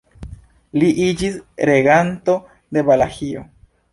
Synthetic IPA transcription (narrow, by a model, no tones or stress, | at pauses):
liʔid͡ʒisɾe̞ɡanto̞ | de̞balahio̰